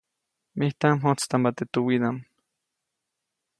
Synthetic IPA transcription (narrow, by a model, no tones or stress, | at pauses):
miht̪amɦot͡st̪ambat̪et̪uwiðam